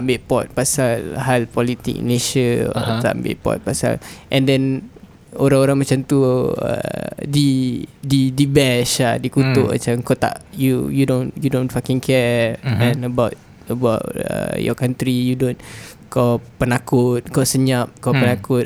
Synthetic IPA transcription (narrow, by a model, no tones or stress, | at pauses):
ambɪʔpɔt̪̚pasalɦalpɔlit̪ḭk̚neʃə̰ɔ̰aa̰mbɪ̰ʔpɔ̰t̪̚pasa̰lʔɛ̃ndɛn | oɾaŋoɾaŋmat͡ʃamt̪uə̰dididibɛʃadikut̪ʊʔma̰t͡ʃamkot̪a̰ʔjujudonjudõnfakɛ̃ŋkʰɛɛ̃nəbawt̪ | əbatə̰jɔ̰kant̪ɾijudon | kɔpənakʊt̪̚kɔsəɲap̚kɔpənakʊt̪̚